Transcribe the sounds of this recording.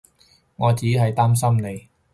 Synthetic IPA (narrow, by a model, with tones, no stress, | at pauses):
ŋɔː˨˧t͡siː˨˥ɦɐ˨jt̪aː˥msɐ˥mne˨˧j